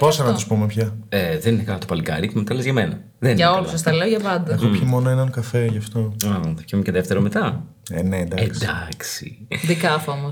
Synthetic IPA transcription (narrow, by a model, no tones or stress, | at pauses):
posɐnɐt̪uspumepçɐeðeninekɐlot̪opɐlikɐ̰ɾicemet̪ɐlezʝɐmenɐ | ðeninʝɐolusɐst̪ɐleoʝɐvɐnd̪ɐɐxopçimo̞noenɐŋkɐfeʝɐft̪o̞ɐðɐ̥çiumceðeft̪eɾomet̪ɐ | enend̪ɐesd̪ɐksḭd̪ikɐfomos